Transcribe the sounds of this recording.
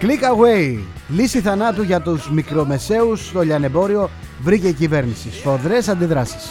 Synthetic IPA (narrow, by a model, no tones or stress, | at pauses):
klikɐɣwe̞j | lisiθɐnɐt̪uʝɐt̪uzmikɾo̞me̞se̞ust̪o̞ʎɐne̞bo̞ɾio̞ | vɾice̞icive̞ɾnisisfo̞ðɾe̞sɐnd̪iðɾɐsi̥s